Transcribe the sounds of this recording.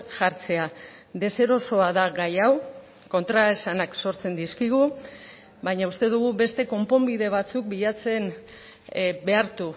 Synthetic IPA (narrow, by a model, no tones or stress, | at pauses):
ʝaɾt͡se̞ad̪e̞se̞ɾo̞so̞aðaɣajaw | ko̞nt̪ɾaesanakso̞ɾt͡se̞nd̪iskiɣ̞u | bajɲaust̪e̞ðuɣ̞uβe̞st̪e̞ko̞mpo̞mbiðe̞β̞at͡suk̚biʎat͡se̞n | be̞aɾt̪u